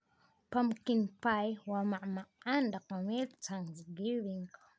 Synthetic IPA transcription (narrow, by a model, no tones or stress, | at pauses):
pamkinpajwamaʔmaandaqamelt͡saŋzɡiβiŋk